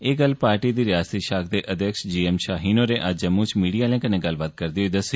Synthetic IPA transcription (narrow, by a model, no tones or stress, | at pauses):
eːɡəlpaːɾʈiːd̪iːɾɪjaːst̪iːʃaːk̚ʰd̪eːʔəd̪jəkʃd͡ʒiːɛmʃaːɦiːnoːɾeːʔad͡ʒəmːuːt͡ʃmiːɖijaːlɛ̃ːkənẽːɡəlbaːt̪̚kəɾd̪iːɦoiːd̪əsiː